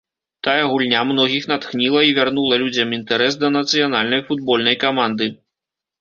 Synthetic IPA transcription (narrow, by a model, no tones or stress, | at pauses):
t̪ajɛɣulʲnʲamnɔɣʲixnat̪xnʲilˠɐivʲarnulˠɐlʲud͡zʲɐmint̪ɛɾɛsd̪ɐnɐt̪sɨjanalʲnɐjfud̪̚bɔlʲnɐjkamand̪ɨ